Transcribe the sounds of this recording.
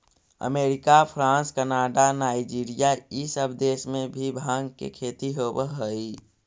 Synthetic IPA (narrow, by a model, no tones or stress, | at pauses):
ə̰meːɾɪkapʰɾãːnskənaɖanaːid͡ʒiɾijaisəbʱd̪esmẽbʱibʱãŋɡkḛkʰet̪iɦobəɦəi